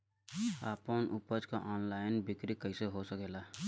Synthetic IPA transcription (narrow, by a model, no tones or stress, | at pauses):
aːpənʔupəd͡ʒkaʔɔːnlaːɪnbɪkɾikəɪseɦosəkeːla